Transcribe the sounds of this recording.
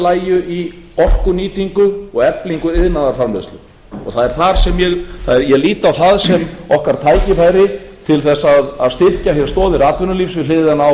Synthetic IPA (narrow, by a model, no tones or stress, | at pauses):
laːjʏʔiɔr̥kʏniːt̪iŋkʏɔɣɛpliŋkʏɪðnaðaɾfaɾmɪst̪lʏ | ɔ̰ɣθaðɛɾ̥θaɾ̥sɛmjɛɣθaðɛɾjɛliːt̪awθaðsɛmɔhkaɾ̥t̪ʰaːjcɪfaːjɾɪt̪ʰɪlθɛsːaðaðst̪ɪr̥cahjɛɾ̥st̪ɔːðɪɾaːt̪vʏnʏliːfsvɪðlɪːðɪðana